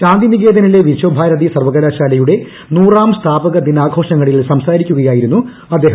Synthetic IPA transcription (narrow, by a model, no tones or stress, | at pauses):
kaːnd̪iniɣeːd̪ɐnileʋiɕoːbʱaːɾɐd̪isɐrʋɐɣɐlaːɕaːlɐjuɽe̞ | nuːraːmst̪ʰaːbɐɣɐd̪inaːɡʱo̞ːʂɐŋːɐɭilsɐmsaːɾikʲːuɣɐjaːjiɾunːu | ɐd̪ːeːɦɐ